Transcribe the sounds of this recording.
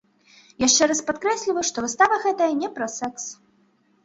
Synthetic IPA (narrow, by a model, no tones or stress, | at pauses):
jaʂt͡ʂɛɾɐspat̪kɾɛsʲlʲivɐʂt̪ɔvɨst̪avɐɣɛt̪ɐjɐnʲɛpɾɐsɛks